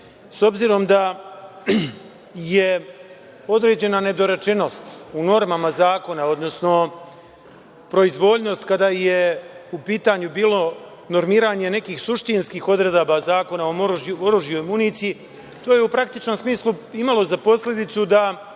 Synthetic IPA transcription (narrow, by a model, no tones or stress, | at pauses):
so̞bziːɾo̞md̪a | je̞ | o̞d̪ɾe̞ːd͡ʑe̞nane̞d̪o̞ɾe̞t͡ʃe̞no̞st̪uno̞ɾmamazaːko̞nao̞d̪no̞sno̞ | pɾo̞izʋo̞ːʎno̞st̪kad̪aje̞upiːt̪aɲubiːlo̞ | no̞ɾmiːɾaɲe̞ne̞kiːxsuʃt̪inskiːxo̞d̪ɾe̞d̪abazaːko̞naooɾuʒjojmunit̪sii | t̪o̞ːje̞upɾak̚t̪it͡ʃno̞msmiːslˠuimalˠo̞zapo̞sʎʲe̞d̪it̪sud̪a